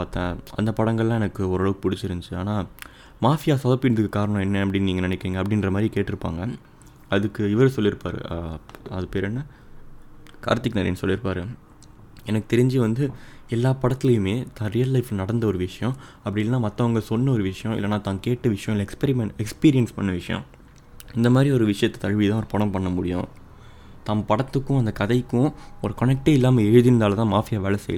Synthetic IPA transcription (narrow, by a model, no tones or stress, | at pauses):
aːt̪ːãɐ̰nd̪ɐpɐɽɐŋɡɐɭlãːɛnɐkːɯɔɾɐːɭʋɯkːɯpʊɽɪt͡ʃːɪɾɯnd͡ʒɯaːnaː | maːfɪjaːsɐːðɐpːiːnɐðɯkːɯkaːɾɐɳɔ̃ɛnːɐɐpːɐɽɪnːniːɡɐnɪnɪkːɪɾiːŋɡɐpːɐɽɪnɾɐmaːd̪ɾikeːʈːɪɾɯpːa̰ːŋɡɐ | ɐðɯkːɯɪʋɐɾɯsɔlːɪɾɯpːaːɾɯ̰ɐðɯpeːɾɛnːɐ | ka̰ːɾt̪ːɪkːnɐɾɐ̰nːsɔlːɪɾɯpːaːɾɯ | ɛnɐkːɯ̥t̪ɛɾɪɲd͡ʒiʋɐnd̪ɯɛlːaːpɐɽɐt̪ːɪlɐjɯmeːt̪ãːɾijɐlːɐɪflnɐɽɐnd̪ɐɔɾɯʋɪʂɐjɔ̃ɐpːɐɽɪlnaːmɐt̪ːɐɐŋɡɐsɔnːɐɔɾɯʋɪʂɐjɔ̃ɪ̰lːɐnaːt̪ãːnkeːʈːɐʋɪʂɐjɐ̃ɪlːɐɛkspɛɾɪmɛkspiːɾɪjɛnspɐnːɐʋɪʂɐjɔ̰̃ | ɪnd̪ɐmaːd̪ɾiɔɾɯʋɪʂɐjɐt̪ːɛ̥t̪ɐɻʋit̪ãːɔɾɯpɐɽɐ̃mpɐɳːɐmʊɽɪjʊ̰̃ | t̪aːmpɐɽɐt̪ːɯkːʊ̃ɐnd̪ɐkɐðɐɪkːʊ̃ɔɾɯkɐnɛk̚ʈeːɪlːaːmɐɛɻɯðɪɾɯnd̪aːlɐt̪ãːmaːfɪjaːʋeːɭɐsɛ̰jɐl